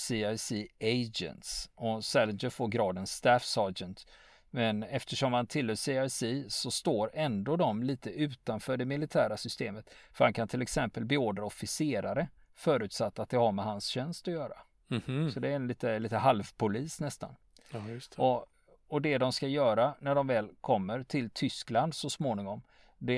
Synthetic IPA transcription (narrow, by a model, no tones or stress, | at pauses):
siːajsieɪd͡ʒə̰nt̪sɔsɛlnd͡ʒəfoːɾɡɾɑːd̪ɛnst̪æːfsɑːd͡ʒənt̪ | mɛnɛft̪əʂɔmhant̪ʰɪlhœːsiajsiːsɔst̪oːɾɛnd̪oːd̪ɔmliːt̪əʉ̟ːt̪anfœːɖɛmɪlɪt̪ʰæːɾasʏst̪eːmət̪fœɾhankʰant̪ʰɪlɛksɛmpəlbɛoːɖɾaɔfɪseːɾaɾə | fœːɾʉ̟ːt̪sat̪ːat̪̚d̪ɛhaɾmɛɦansɕɛnst̪ɔjœːɾa̰ | sɔd̪ɛɛliːt̪əliːt̪əɦalvpʰʊliːsnɛst̪a̰n | ɔ | ɔd̪ɛd̪ɔmskajœːɾanæɖɔmvɛːlkʰɔmːəɾʈʰɪlt̪ʰʏskland̪sɔsmoːnɪŋɔm | d̪ɛ